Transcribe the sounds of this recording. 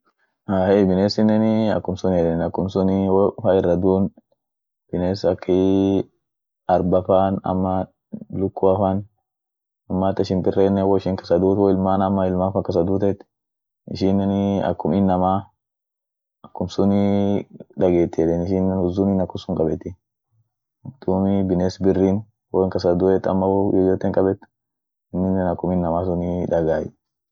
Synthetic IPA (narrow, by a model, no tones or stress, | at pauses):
aːheːbɪneːsɪnːɛnɪɐ̰kːʊmsʊnɛᶑɛnɐkːʊmsʊnɪwfaɪrːɐd̪uːn | b̥ɪneːsɐkːɪ | ɐɾbɐfanɐ̰mːɐ | lʊkːʊɐfan | ʊmːaːt̪ɪʃɪnb̪ɪrːeːnːɛwɔɪʃɪŋkɐ̥sɐd̪uːt̪wɔɪlmaːnɐmːɐɪlmaːfɐkɐs̬ɐd̪uːt̪ɛt̪ːɪ̥ | ɪ̰ʃinːɛnɐ̰kːʊmiːnːɐmaː | ɐkːʊmsʊnɪ | ᶑɐɡeːt̪ːɛd̪ɛnɪʃɪnːɛnʊzuminɐkːʊmsʊŋkʼɐbɛt̪ːɪ | ʊd̪̥uːmɪbɪneːsbɪrːiːn | wɔŋkɐsɐd̪ʊɛt̪ːɐ̰mːɐwjɔd͡ʒɔt̪ːɛŋkʼɐbɛt̪ː | ɪnːɪnːɛnɐkːʊmiːnːɐmaːs̬ʊnɪᶑɐɡaːjɪ